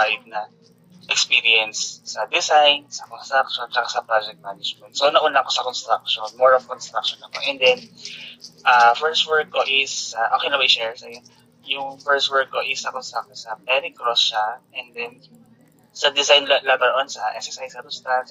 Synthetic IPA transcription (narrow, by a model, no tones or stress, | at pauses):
ajd̪̚nɐ | ʔɛkspiːɾiɛnsːɐd̪ɪsajnsɐkonst̪ɾak̚ʃont͡ʃɐkasɐpɾad͡ʒɛk̚t̪̚manɪd͡ʒmɛnt̪̚sonɐʔʊnlaʔko̞sɐkɔnst̪ɾak̚ʃonmoɹov̥kɔnst̪ɾak̚ʃonɐkoʔɛnd̪ɛn | ʔafɛɹst̪wɛɹkːoʔɪsɐʔoːkɛjnɐbɐɪʃɛɹsɐjo | jʊŋfɛɹst̪wɛɹk̚ːoʔɪsɐkonst̪ɾak̚tosɐbɛɾɪkɾosʃaʔɛnd̪ɛn | sɐd̪ɪsajnlabɐnʔonsɐʔɛ̰ksɛsajsɐd̪ʊst̪an